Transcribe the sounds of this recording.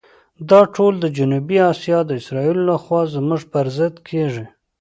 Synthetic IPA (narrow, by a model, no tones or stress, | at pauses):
d̪ɑʈʰold̪əd͡ʒʊnubiɑsijɑd̪əɪsɾɑilolaxwɑzmʊʐpəɾzɪd̪kʰeʐi